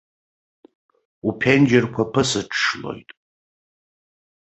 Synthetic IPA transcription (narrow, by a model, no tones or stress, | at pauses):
upʰend͡ʒɪrkʷʰapʰɨsɨʈ͡ʂʰːʂlo̞̰jtʼ